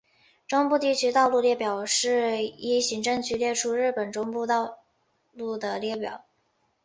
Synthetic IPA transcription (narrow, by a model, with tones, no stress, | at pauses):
ʈ͡ʂʊ˥ŋpu˥˧t̪i˥˩t͡ɕʰy˥t̪ɑ˥˧ʊlu˥˧ljɛ˥˩pjɑ˨˩ʊʂɻ̩˥˩i˥ɕi˧˥ŋʈ͡ʂɤ˥˩ŋt͡ɕʰy˥ljɛ˥˧ʈ͡ʂʰu˥ɻɻ̩˥˩pə˨˩nʈ͡ʂʊ˥ŋpu˥˧t̪ɑ˥˧ʊ | lu˥˩d̪ə˩ljɛ˥˩pjɑ̰˨˩˦ʊ